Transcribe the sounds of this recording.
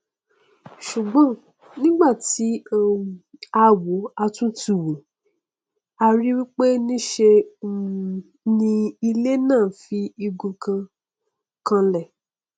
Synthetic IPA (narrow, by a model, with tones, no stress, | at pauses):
ʃu˨ɡ͡bɔ̃˨˦ | nĩ˦ɡ͡ba˦˨ti˨˦˨ | a˧wo˨˦a˧tũ˦ti˦˨wu˨ | a˧ɾi˦wi˦k͡pe˦nĩ˦ʃe˧˦˨ | nĩ˧i˧le˦nãː˦˨fi˨˦i˧ɡũ˧kã˧ | kã˧lɛ˨